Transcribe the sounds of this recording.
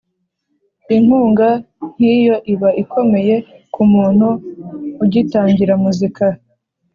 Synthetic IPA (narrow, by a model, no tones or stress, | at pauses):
iŋ̥huːŋɡa | n̥iːjo̞ʔiβaʔikʰo̞me̞je̞kumuːn̥huː | ɟitaːɲɟiɾamuzika